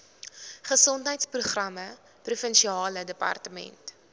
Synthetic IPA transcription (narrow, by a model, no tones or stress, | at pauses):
χəsɔntɦəjtspruχrɐmə | prufənʃiɑːlədəpɐ̰rtəmɛ̰nt